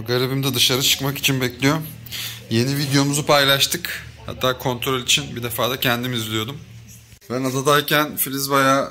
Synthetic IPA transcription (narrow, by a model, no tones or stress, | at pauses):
ɡaɾibimd̪ɛd̪ɯʃaɾɯt͡ʃʰɯ̥kmaki̥t͡ʃʰinbɛclʲijo̞ | je̞nivid̪jo̞muzupʰajlˠaʃt̪ʰɯkha̰t̪ʰːaːkʰo̞nt̪ʰɾo̞lʲit͡ʃʰinbid̪e̞faːd̪acʰænd̪imizlʲijo̞d̪um | bænad̪ad̪aɾcʰænfilʲizbaja